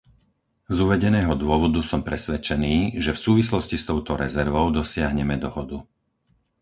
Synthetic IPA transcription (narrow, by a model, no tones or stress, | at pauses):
zuʋɛɟɛnɛːɦɔd̪ʊɔʋɔd̪usɔmpɾɛsʋɛt͡ʃɛniːʒɛfsuːʋislɔscist̪ɔʊt̪ɔɾɛzɛɾʋɔʊd̪ɔsɪaɦɲɛmɛd̪ɔɦɔd̪u